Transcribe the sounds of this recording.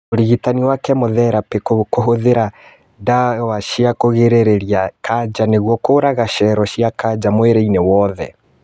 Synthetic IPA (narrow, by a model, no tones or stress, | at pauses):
oɾiɣitaniwakɛmoðɛɾapekokoɦoðeɾa | dawaʃiakoɣeɾeɾeɾiakad͡ʑaneɣwɔkoːɾaɣaʃɛɾɔʃiakad͡ʒd͡ʑamweɾeinewɔðɛ̰